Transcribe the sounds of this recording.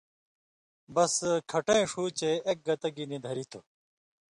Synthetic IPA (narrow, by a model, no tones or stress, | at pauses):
bɐskʰɐʈẽẽʂuːt͡ɕeʔek̚ɡɐt̪ɐɡinid̪ʱɐɾit̪ʰo